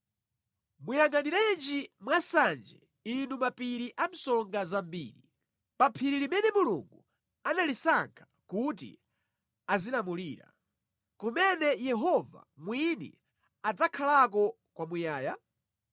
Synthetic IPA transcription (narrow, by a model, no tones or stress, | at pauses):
mujaŋɡaniɾɛnd͡ʒimwasand͡ʒɛ̰ | inumapiɾiʔam̩sɔŋɡazambḭːɾi | papʰiɾilimɛnɛmulṵŋɡu | analisaŋkʰḁ | kut̬ḭ | azinamuliːɾa̰ | kumɛnɛjɛɦɔva̰mwinḭ | ad͡zakʰalak̬ɔ | kwamujaːja